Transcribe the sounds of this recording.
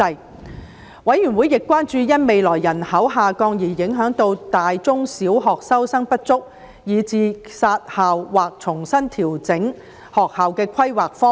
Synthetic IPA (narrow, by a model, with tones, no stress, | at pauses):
ɐ˧j | wɐ˨˥jɥy˨˩nwuː˨˥jɪ˨kʷːwaː˥nt͡ʃyː˧jɐ˥nme˨˧jlɔː˨˩jːɐ˨˩nhɐ˨˥wɦaː˨kɔː˧ŋjiː˨˩jɪ˨˥ŋɦœː˨˥ŋt̪o˧wt̪aː˨jt͡sʊ˥ŋsiː˨˥wɦɔː˨k̚sɐ˥wsɐ˥ŋpɐ˥t̚t͡sʊ˥k̚ | jiː˨˧t͡siː˨˧saː˧t̚haː˨wːaː˨k̚t͡sʰʊ˨˩ŋsɐ˥nt̪ʰiː˨˩wt͡sɪ˨˥ŋ | hɔː˨˩k̚haː˨wkɛː˧kʷʰɐ˥jwaː˨k̚fɔː˥